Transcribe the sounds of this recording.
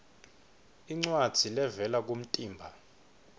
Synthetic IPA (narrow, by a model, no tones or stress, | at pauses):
iŋ͡ǀwad̥z̥ʱilɛvɛlak̬um̩tʼiːmbʱa